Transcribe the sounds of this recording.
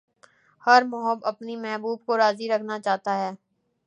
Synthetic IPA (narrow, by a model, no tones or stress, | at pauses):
hɐɾmʊɦəbɐpnimɛɦbuːb̚koɾaːziɾɐkʰnat͡ʃaːɦt̪aɦɛː